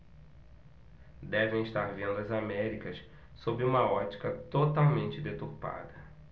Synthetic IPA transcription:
d̪ɛvẽj̃iʃt̪aɾvẽnd̪ʊɐzamɛɾikɐs | sobɪũmɐɔt͡ʃi̥kɐt̪ot̪awmẽnt͡ʃɪd̪et̪uɾpa̰d̪ɐ

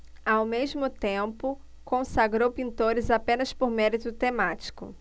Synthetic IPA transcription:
awmezmʊt̪ẽpʊ | kõsaɡɾowpĩnt̪oɾɪzapẽnɐspoɾmɛɾit̪ʊt̪emat͡ʃi̥kʊ̰

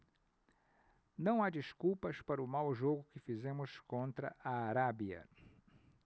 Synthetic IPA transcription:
nɐ̃w̃ad͡ʒiskuwpɐspaɾʊmawʒoɡʊkɪfizẽmʊskõnt̪ɾɐ̰ʔaːɾabiɐ̰

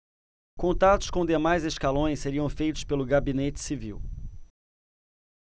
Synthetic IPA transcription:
kõnt̪at̪ʊskõd̪emajzeskalõj̃sseɾiɐ̃w̃fejt̪ʊ̥spelʊɡabinet͡ʃɪ̥sivḭw

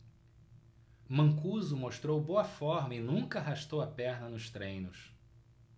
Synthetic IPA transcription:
mɐ̃ŋkuzʊmoʃt̪ɾowboɐfɔɾmɐɪnũkɐɦaʃt̪owɐpɛɾnɐnʊst̪ɾẽj̃nʊs

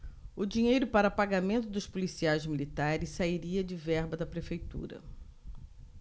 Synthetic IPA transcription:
ʊd͡ʒĩɲejɾʊpaɾɐpaɡamẽnt̪ʊd̪ʊspolisiajzmilit̪aɾɪssaiɾiɐd͡ʒɪvɛɾbɐd̪ɐpɾefejt̪ṵɾɐ̰

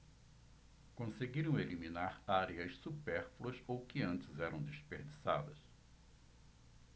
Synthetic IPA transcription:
kõseɡiɾɐ̃w̃eliminaɾaɾeɐʃsupɛɾfluɐsowkɪɐ̃nt͡ʃɪzɛɾɐ̃w̃d̪espeɾd͡ʒisa̰d̪ɐs

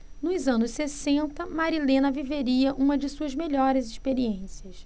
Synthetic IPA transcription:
nʊzɐ̃nʊssesẽnt̪ɐmaɾilẽnɐviveɾiɐʔũmɐd͡ʒɪsuɐzmeʎɔɾɪzɪʃpeɾiẽsiɐs

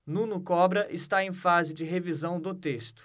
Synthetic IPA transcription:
nũnʊkɔbɾɐʔɪst̪aẽj̃fazɪd͡ʒɪɦevizɐ̃w̃d̪ʊt̪est̪ʊ̥

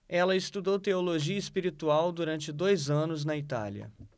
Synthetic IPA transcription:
ɛlɐɪst̪ud̪owt̪eoloʒiɐispiɾit̪uawd̪uɾɐ̃nt͡ʃɪd̪ojzɐ̃nʊznɐit̪a̰ljɐ̰

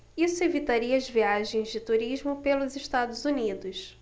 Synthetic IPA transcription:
isʊevit̪aɾiɐɐzviaʒẽj̃zd͡ʒɪt̪uɾiʒmʊpelʊziʃt̪ad̪ʊzunid̪ʊʃ

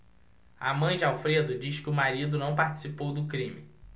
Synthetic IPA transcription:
amɐ̃j̃d͡ʒɪawfɾed̪ʊd͡ʒiskɪʊmaɾid̪ʊnɐ̃w̃paɾt͡ʃi̥sipowd̪ʊkɾĩmɪ

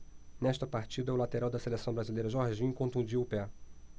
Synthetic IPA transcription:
nɛʃt̪ɐpaɾt͡ʃid̪ɐʊlat̪eɾawd̪ɐselesɐ̃w̃bɾazilejɾɐʒɔɾʒĩkõt̪ũd͡ʒiʊpɛ

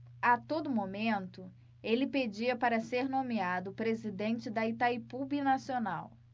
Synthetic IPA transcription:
at̪od̪ʊmomẽnt̪ʊ | elɪped͡ʒiɐpaɾɐseɾnõmiad̪ʊpɾezid̪ẽnt͡ʃɪd̪ɐit̪aipubinasiona̰w

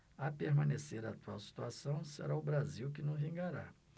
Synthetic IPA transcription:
apeɾmɐ̃neseɾaːt̪uawsi̥t̪uasɐ̃w̃sḛɾaʊbɾaziwk̬ɪnɐ̃w̃vĩɡaɾa̰

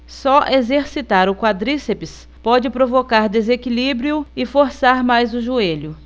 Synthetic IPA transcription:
sɔʔezeɾsit̪aɾʊkwad̪ɾisepɪs | pɔd͡ʒɪpɾovokaɾd̪ezekilibɾiʊɪfoɾsaɾmajzʊʒueʎʊ

